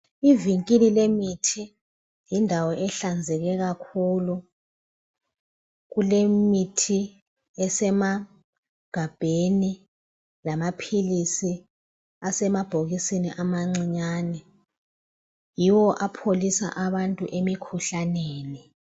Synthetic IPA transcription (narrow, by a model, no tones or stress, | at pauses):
iviŋkʼililemitʰi | jindʱawɔʔɛɬand͡zʱɛɣɛɣakʰuːlu | ɣulemitʰi | ɛsɛma | ɡ̥ʱab̥ʱeni | lamapʰilisi | asɛmab̥ʱoɣisiniʔamaŋ͡ǀiɲaːnɛ | jiwɔʔapʰolisa̰ʔaβantʼuʔemikʰuɬaneːni